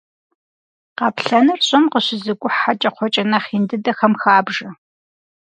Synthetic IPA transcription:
qɑpɬɐnɨrɕʼɐmqəɕɪzɨɡʷʼʊħat͡ʃʼɐqʷʰɔt͡ʃʼɐnɐχindɨdɐxɐmxaːbʒɐ

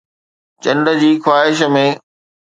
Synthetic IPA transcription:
t͡ɕɐ̃nɖəd͡ʑiːxwaːɦɪʃ̬mẽː

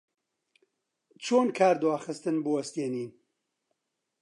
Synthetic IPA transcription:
t͡ʃʰoːnkʰaːɾd̪waːxɨst̪ɨnboɐst̪eːniːn

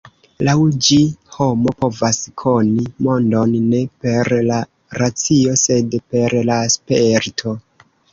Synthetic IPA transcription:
lawd͡ʒiho̞mo̞po̞vaskʰo̞nimo̞ndo̞nːe̞pe̞ɾla | ɾat͡sio̞se̞dpe̞ɾlaspeɾtʰo̞

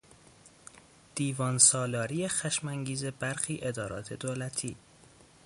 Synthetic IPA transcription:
d̪̥iːvɒːnsɒːlɒːɾijexæʃmæŋɟiːze̞bæɾxiːʔe̞d̪ɒːɾɒ̰ːt̪ʰe̞d̪oːlæt̪ʰiː

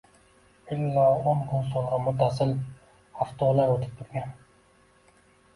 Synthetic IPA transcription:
ɪlːɑːonkʰonsolˠʁɑmʊt̪ːasɪl | aft̪ʰɒːlaɾot̪ʰɪ̥p̚t̪ʰʊɾɡʲan

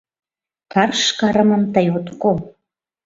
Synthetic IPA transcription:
t̪ɑrʃkɑɾə̆mə̆mt̪əjot̪ko

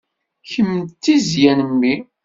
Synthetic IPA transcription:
çəmːt̪ːizjænəmːi

